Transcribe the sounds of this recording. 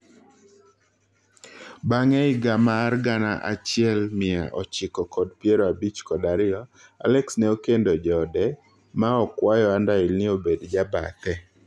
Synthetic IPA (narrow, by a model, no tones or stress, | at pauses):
baŋɛɪɡamarɡanaʔa̰t͡ʃɪɛlmɪa̰ʔɔ̰t͡ʃɪkɔkɔdpjeɾɔabit͡ʃkɔdaɾɪɔ | a̰lɛksnɛokendod͡ʒɔdɛ | maɔkwajɔandaɪlnɪobedd͡ʒaba̰t̪ɛ